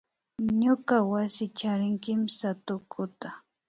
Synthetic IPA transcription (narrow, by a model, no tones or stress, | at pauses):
ɲokawasɪt͡ʃaɾɪŋkɪmsat̪ʊkʰʊt̪a